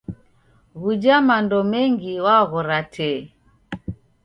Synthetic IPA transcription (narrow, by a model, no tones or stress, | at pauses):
ɣud͡ʒamandɔmɛŋɡiwaɣɔɾatʰɛ